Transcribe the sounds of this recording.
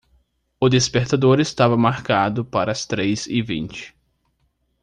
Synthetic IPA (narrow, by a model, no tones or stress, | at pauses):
ʊd̪espeɾt̪ad̪oɾɪst̪avɐmaɾkad̪ʊpaɾɐːst̪ɾejzɪvḭ̃nt͡ʃɪ̥